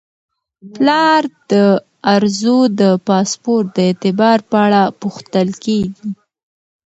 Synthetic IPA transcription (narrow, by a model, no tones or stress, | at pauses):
plɑɾd̪̥ə | aɾzod̪əpɑspoɾt̪̚d̪əet̪ɪbɑɾpəaɽapuxt̪əlkeɡi